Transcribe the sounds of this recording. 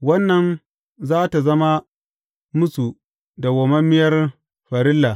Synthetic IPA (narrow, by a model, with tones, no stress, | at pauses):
wɐ˦nːɐ˨n | zaː˦ta˨zɐ˦ma˦ | mʊ˦su˨ | da˨ɡɔ˨mɐ˦mːɪ˦jɐ˦r | ɸɐ˨ɾɪ˦lːa˨